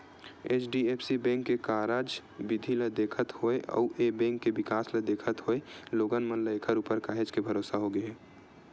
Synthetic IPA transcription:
et͡ʃʰɖiepʰsibɛ̃ːŋkːekaːɾad͡ʒbɪd̪ʱiləd̪eːkʰət̪hoeʔɔ̰ʊʔebɛ̃ːŋkːebɪkaːsləd̪eːkʰət̪ɦoeloːɡənmənləekʰəɾupəɾkaːɦed͡ʒkebʱəɾoːsaɦoɡəe

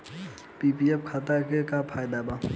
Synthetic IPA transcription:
pipiɛpkʰat̪akekapʰajd̪aba

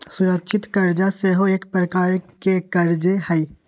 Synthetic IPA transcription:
sʊɾəkʃʰɪt̪kɐɾd͡ʒaseɦoeːkpɾəkaːɾkekɐɾd͡ʒehəi

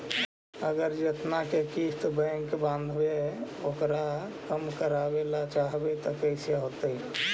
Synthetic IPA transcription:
əɡəɾd͡ʒet̪nakekist̪bəɪŋkbãnd̪ʱbe | okɾakəmkəɾabelat͡ʃaɦbet̪ɔkəɪsjaɦot̪əi

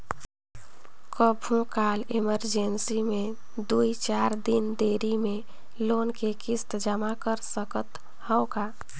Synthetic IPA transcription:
kəbʱũkaːleməɾd͡ʒensimẽ | d̪uit͡ʃaɾd̪ind̪eɾimẽ | lonkekɪst̪d͡ʒəmakəɾsəkət̪ | həʊka

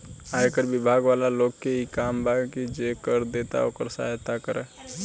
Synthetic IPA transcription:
aekəɾbibʱaɡʋalaloɡkeikambakid͡ʒekəɾd̪et̪a̰o̰ːkəɾsa̰ɦt̪akəɾɛ̰

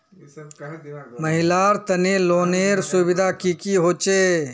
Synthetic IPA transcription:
məɦɪlaɾt̪əneloːneːɾsubɪd̪ʱakikiɦoːt͡ʃe

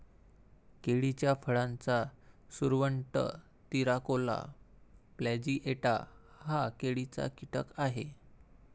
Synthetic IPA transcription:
keɽit͡ɕjafʰəɭãnt͡sasuɾʋəɳʈə̰ | t̪iɾakola̰ | plɛd͡ʑiːʔeʈa̰hakeɽit͡sa̰kiʈəkaɦe

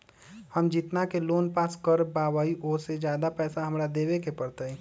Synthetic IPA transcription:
həmd͡ʒɪt̪nakeloːnpaːskəɾbaːʋaːiʔoːɾsed͡ʒjaːd̪apɛːsaɦəmɾad̪eːʋekepəɾt̪əɛ

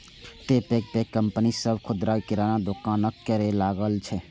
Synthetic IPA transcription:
ʈepek̚pekːəmpənisəbʱkʰʊd̪ɾakɪɾanad̪ʊkaːnəkːəɾelaːɡəlt͡ʃʰɛ

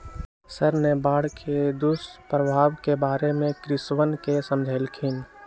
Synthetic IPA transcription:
səɾnebaːɽkʰed̪ʊspɾəbʱaːʋkebaːɾemẽkɾɪswənkesəmd͡ʒʱelkʰɪn

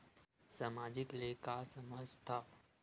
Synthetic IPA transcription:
saːmaːd͡ʒɪklekasɐməd͡ʒt̪ʰaː

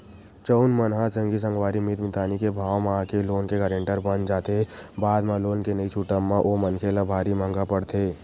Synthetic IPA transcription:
t͡ʃəʊnmənɦat͡ʃə̃ŋɡis̬ə̃ŋɡʋaːɾimɪt̪mɪt̪aːnikebʱaːwmãakeloːnkeɡəːɾẽːɳʈəɾbənd͡ʒaːt̪ebaːd̪mãloːnkenəit͡ʃʰuʈəmːãʔoːmənkʰelabʱaːɾimãːŋɡapəɽt̪ʰeː

